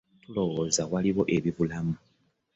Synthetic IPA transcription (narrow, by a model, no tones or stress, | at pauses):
tulo̞wozawaliβo̞ʔe̞βiβulamu